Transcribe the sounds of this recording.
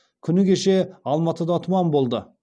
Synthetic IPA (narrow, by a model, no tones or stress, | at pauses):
kʲʰʏnɪkʲeʃeɑlˠmɑt̪əd̪ɑt̪ʰʊmɑnbo̞lˠd̪ə